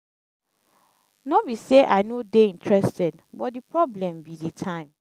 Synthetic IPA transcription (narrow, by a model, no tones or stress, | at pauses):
nɔwiseʔaɪnodeĩntʰɹɛstɛdbɔt̚dipɹɔblɛ̃mbiditʰãɪ̃m